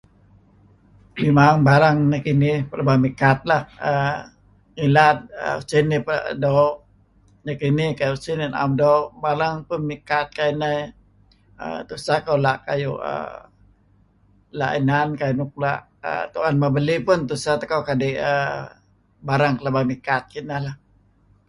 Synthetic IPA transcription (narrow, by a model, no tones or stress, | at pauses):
mimaŋbaɾaŋnəkinipəlabamikat̪̚lahə | ŋilat̪̚ə̰ṵsinipdɔʔ | nəkinikajusinina̰mdoʔbaɾaŋpʊnmikat̪̚kainə | ə̰t̪usakawlaʔka̰juə̰ | la̰ʔinankajunuk̚la̰ʔ | ə̰t̪uanmabəlipʊnt̪usat̪akawkadiʔə | baɾaŋkəlabamikat̪̚kinalah